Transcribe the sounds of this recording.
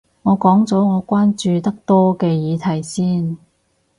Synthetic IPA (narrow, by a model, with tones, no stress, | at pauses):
ŋɔː˨˧kɔː˨˥ŋt͡sɔː˨˥ŋɔː˨˧kʷaː˥nt͡ʃyː˨˧t̪ɐ˥k̚t̪ɔː˥kɛː˧jiː˨˧t̪ʰɐ˨˩jsiː˥˩n